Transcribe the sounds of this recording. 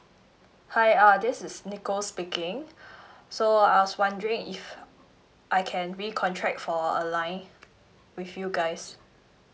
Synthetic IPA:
hajadɪsɪsnikospikɪ̃ŋ | soaɪwɔswãndəɹɪ̃ŋif | ʔajkʰɛ̃nɹikʰɔ̃ntʰɹɛk̚tfɔə̰lãɪ̃n | wiθjuɡaɪs

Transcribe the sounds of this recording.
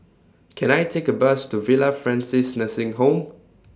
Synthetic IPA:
kʰɛ̃najtʰekəbəstuvilafɹɛ̃nsisnəsɪ̃ŋɦõm

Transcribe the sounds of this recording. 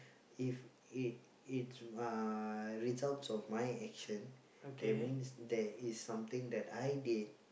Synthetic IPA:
if | it̚ | its | ɹizaltsɔfmajɛkʃə̃n | od̪ɛmĩnsd̪ɛisːãmt̪ĩŋd̪ɛtajdid̚

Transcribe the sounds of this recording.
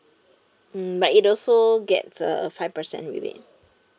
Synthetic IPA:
batitɔlsoɡɛ̰tsə̰faɪvpəsɛ̰̃ntɹḭwḛ

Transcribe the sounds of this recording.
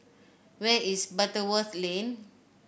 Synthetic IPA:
wɛisbatəwəθlẽn

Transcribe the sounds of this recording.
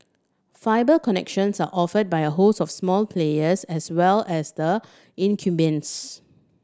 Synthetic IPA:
faɪbəkɔnɛ̰kʃə̃nsaʔɔfəd̚bajəɦosɔfsmɔlpʰlejəsɛswɛlɛsdə | ĩnkʰjubə̃ns

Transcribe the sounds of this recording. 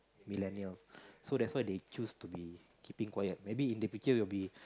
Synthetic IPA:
milɛniəlssodɛtswajdet͡ʃustubi | kipĩŋkwajət̚mebiĩndifit͡ʃəwilbi

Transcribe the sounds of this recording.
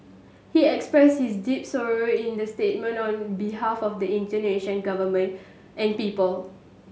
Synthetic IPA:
hiɛkspɹɛshisdip̚sɔɹoĩndəstet̚mə̃ntɔ̃nbiɦafɔfdəĩntəneʃə̃nɡavəmə̃nt | ʔɛ̃npipəl

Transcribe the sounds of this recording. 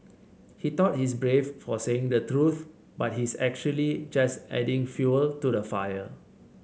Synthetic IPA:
hitɔt̚hisbɹeffɔseɪ̃ŋdətɹuθ | bat̚ɦisɛk̚t͡ʃuəlid͡ʒasʔɛ̰dɪ̃ŋfjuəltudəfajə

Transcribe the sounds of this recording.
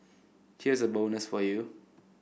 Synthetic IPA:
hizəbolnəsfɔju

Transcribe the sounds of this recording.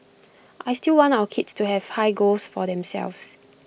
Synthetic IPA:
ʔajstilwɔ̃ntawəkʰitstuhɛv̥haɪɡosfɔdɛ̃msɛ̰lvs

